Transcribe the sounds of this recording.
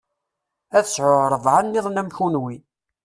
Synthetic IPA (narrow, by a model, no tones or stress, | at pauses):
æθəsʕoɾɾˤəvʕanːɪðˤnæmçunwi